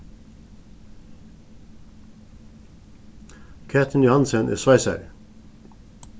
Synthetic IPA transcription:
kʰæːt̪ʰn̩jʊhɑnsənʔḛːsʋɑɪsæ̰ɾ

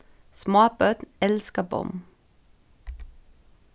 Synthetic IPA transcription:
smoːpœt̪nɛlskəbɔ̰m

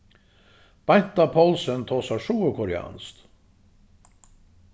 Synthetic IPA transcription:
b̥ɑɪnt̪ɑpʰɔlsənt̪ʰoːsɑʂuːəkʰɔɾɪɑ̰nst̪

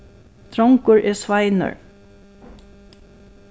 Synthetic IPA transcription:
t̪ʰɾɔŋkəɹʔɛsʋaɪnə̰ɹ

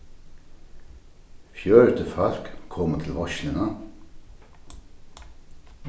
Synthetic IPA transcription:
fjøːɹt̪ʰəfɑl̥kkʰɔmət̪ʰɪlʋɔʃlɪnə

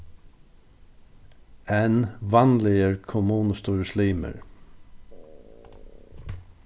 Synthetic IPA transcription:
ɛnʋɑnlɪəɹkʰʊmuːnəst̪uːɾəsliːmə̰ɹ

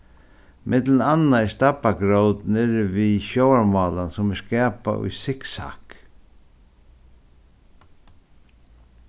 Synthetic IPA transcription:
mʔɪt̪lənanːaɛst̪apaɡɾowt̪nɪɾviɕowaɹmɑːlansʊmɛskɛːpa̰ʊ̰jsɪksa̰ːk

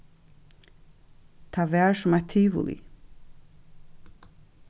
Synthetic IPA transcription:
t̪ʰaʋɛːɹsʊmat̪ʰːiːʋṵlḭ

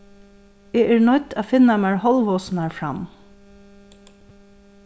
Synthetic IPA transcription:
eːæːɹnɔʏt̪ʰaːfɪnamæɹhɔlʋɔːsnɑɹfɹɑ̰m

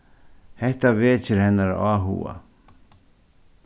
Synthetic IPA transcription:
hɛht̪aveːt͡ʃʰɪɾhɛnːaɾ̰aːɦṵːa̰

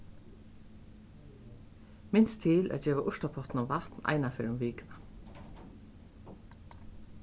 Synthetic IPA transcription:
mɪnst̪ʰɪlʔæ̰t̪d͡ʒɛːʋaʔʊʂt̪apʰɔht̪nʊmvaht̪na̰jnafɪɾʊmʋiːkna

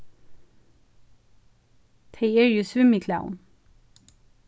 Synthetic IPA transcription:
t̪ʰeɪeɹjʉːsʋʉmikʰla̰ʊn

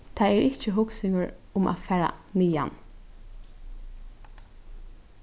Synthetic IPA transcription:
t̪ʰaːɛɹʔɪt͡ʃəɦʊksɪŋɡʊɹʊmʔa̰ːfæːɹa̰niːa̰n

